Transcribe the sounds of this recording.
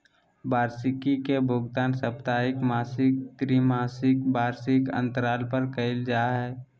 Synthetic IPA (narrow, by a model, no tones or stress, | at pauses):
baːɾsɪkikebʱʊɡt̪aːnsəpt̪aːɪkmaːsɪk̚t̪ɾimaːsɪkbaːɾsɪkə̰̃nt̪əɾaːlpəɾkəɪld͡ʒaːɦɛː